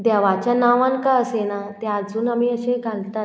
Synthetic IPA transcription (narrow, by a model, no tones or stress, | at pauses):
d̪jaʋat͡ɕjanaʋãŋkaəsenat̪ead͡zuːnamiːəɕeɡalt̪at̪